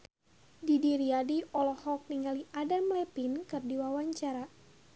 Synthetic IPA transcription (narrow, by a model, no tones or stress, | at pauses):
didiɾiadiɔlɔhɔk̚niŋaliʔadamlɛpinkɨrdiwawaɲt͡ʃaɾa